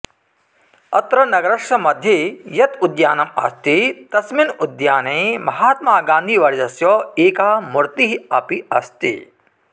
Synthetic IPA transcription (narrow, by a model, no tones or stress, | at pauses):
ɐt̪ɾɐnɐɡɐɾɐʂɐmɐd̪ʱjɐjɐt̪ud̪jaːnɐmɐ̰st̪it̪ɐsminud̪jaːneːmɐɦaːt̪maːɡãːnd̪ʱiʋɐɾd͡ʒɐsjoːeːkaːmuɾt̪iɦɐpiɐst̪ḭ